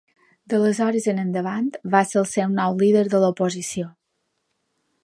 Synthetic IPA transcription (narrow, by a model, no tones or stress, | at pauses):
d̪ələzɔɾəzənənd̪əβant̪βaselˠsewnɔwliðəɾðəlopozisio